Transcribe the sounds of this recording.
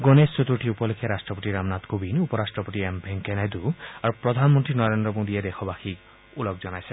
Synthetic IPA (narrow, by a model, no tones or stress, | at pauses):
ɡonessot̪ɾuʈʰiupɔlekʰjaɾasʈɾɔpɔʈiɾamnat̪kobinupɔɾasʈɾɔpɔʈ̪iembʱeŋkenajd̪uaɾupɾɔd̪ʱanmɔnt̪ɾinɔɾend̪ɾɔmod̪ied̪exʰɔbaxik | ulɔk̚d͡ʒɔnajse